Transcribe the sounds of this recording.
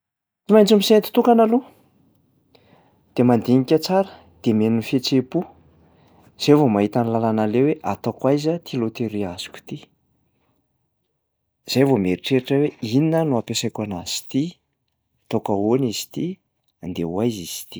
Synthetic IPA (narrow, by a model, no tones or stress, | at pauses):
t͡simajɲt͡sumisent̪i̥t̪ukanalu | d̪̥emand̪iŋikʲət͡saɾə | d̪̥emenunfet͡sepu | z̥evomaɦit̪anilalanaleweʔat̪akwajzət̪ʰilot̪eɾiaz̥u̥kʲu̥t̪i | z̥ajvomeɾiʈ͡ʂeɾiʈ͡ʂəweininənuapesajkʲanaz̥i̥t̪i | t̪okaonizi̥t̪i | and̪ḛwajziz̥i̥t̪i̥